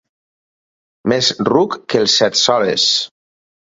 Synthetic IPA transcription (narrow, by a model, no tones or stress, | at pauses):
mezrukːəlˠsɛt̪sɔlḛs